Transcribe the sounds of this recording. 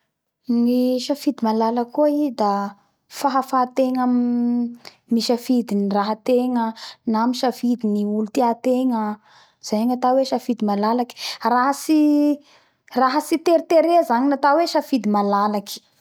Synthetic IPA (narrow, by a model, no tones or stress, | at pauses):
niʃəfid̪imalaləkuaid̪a | faɦafat̪eŋə | miʃəfid̪iniraɦət̪eŋənamiʃəfid̪iniulut̪iat̪eŋə | z̥ajaɲat̪aweʃafid̪imalalaki̥raɦəsi | raɦəsit̪eɾit̪eɾezaɲinat̪aweʃafid̪imalalaki̥